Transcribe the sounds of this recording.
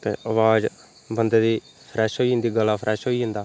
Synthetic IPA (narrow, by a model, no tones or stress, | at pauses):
t̪ḛːʔəʋaːd͡ʒ | bənd̪eːd̪iː | pʰɾɛːʃɦoːiːɦɪ̃nd̪iːɡəlaːpʰɾɛːʃɦoːiːɦɪ̃nd̪aː